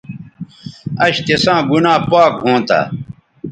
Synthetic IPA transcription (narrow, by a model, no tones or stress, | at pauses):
ɐɕt̪esãːɡunãːpaːk̚ɦõːt̪a̰